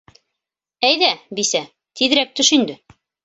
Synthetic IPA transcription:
æjðæbisæ | t̪iðɘ̆ɾæk̚t̪ɵʃind̪ɘ

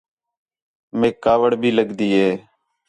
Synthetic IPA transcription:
mẽːkaːʋəɽbʱiːləɡd̪iːɦeː

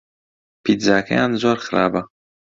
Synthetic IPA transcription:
pit̪zaːkʰɐ̰jaːnzoːɾxɨɾa̰ːbɐ

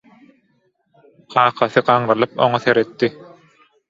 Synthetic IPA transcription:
qʰɑːqʰɑθɯqɑːɴɾɑlˠɯpo̞̰ŋɑθeɾet̪ːi

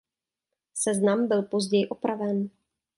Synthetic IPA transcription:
sɛznambɪlpo̞zɟɛjɪʔopɾavɛn

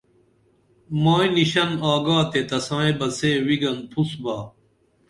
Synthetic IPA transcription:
maːiniɕɐnaːɡaːt̪et̪ɐsãːẽbɐseːwiɡɐnpʰusbaː

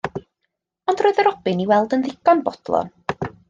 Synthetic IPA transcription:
ɔndroːɨðəɾɔb̥ɨniwɛlˠdənðɪɡɔnbɔd̥lˠɔ̰n

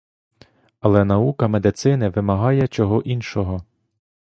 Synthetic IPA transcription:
ɐlˠɛn̪ɐukɐmed̪ɪt̪sɪnɪʋɪmɐɦɑjɛt͡ʃɔɦɔʔinʃɔɦɔ

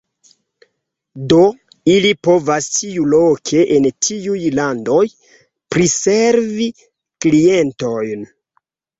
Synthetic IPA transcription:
do̞ | ilipo̞vastiulokʰe̞ʔentiujlando̞j | pɾiseɾvi | klie̞nto̞jn

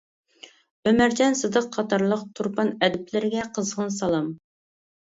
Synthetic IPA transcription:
ømæɾd͡ʒɛnsɨd̪əqːʰɑt̪ɑɾlˠəq̚t̪ʰuɾpɑnɛd̪ɪplɪɾɪɡʲɛqʰəzʁənsɑlˠɑm

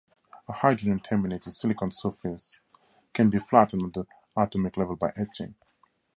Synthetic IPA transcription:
əhaɪdɹə̃nə̃ntʰɛmineɪtɪdsɪlɪkɔ̃nsɜfɪs | kʰɛ̃nbiflatnəði | atɔmɪklɛvəlˠbaɪʔɛt͡ʃɪ̰̃ŋ

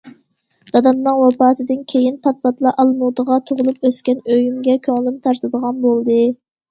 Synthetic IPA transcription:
d̪̥ɑd̪ɑmnɨŋwɑpɑːt̪ʰɨd̪ɨnkʲʰejinpʰɑt̪̚pɑt̪lˠɑʔɑlˠmud̪əʁɑt̪ʰoʁʊlˠup̚øskʲɛnøjymɡʲɛkʲʰøŋlˠymt̪ʰɑɾt̪ɨd̪əʁɑnbolˠd̪ɨ

